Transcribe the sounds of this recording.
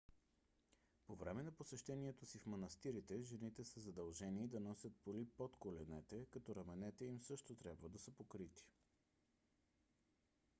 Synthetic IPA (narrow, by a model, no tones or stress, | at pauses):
povɾɛmɛnɐposɛʃt̪ɛniɛt̪osifmɐnɐst̪iɾit̪ɛʒɛnit̪ɛsəzɐd̪ɐlˠʒɛnid̪ɐnɔsʲət̪̚polipot̪kolɛnɛt̪ɛkɐt̪ɔɾɐmɛnɛt̪ɛimsɤʃt̪ot̪ɾʲjabvəd̪ɐsəpokɾit̪i̥